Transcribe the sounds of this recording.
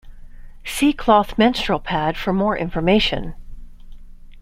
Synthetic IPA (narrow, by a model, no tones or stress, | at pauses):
sikʰl̥ɔθmɛ̃nstɹ̥l̩ˠpʰæd̥fə˞mɔɹʔɪ̰̃ɱfə˞meɪʃɨ̰̃n